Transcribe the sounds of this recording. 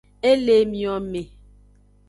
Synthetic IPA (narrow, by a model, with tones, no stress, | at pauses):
e˦le˨mĩ˨ɔ˨me˨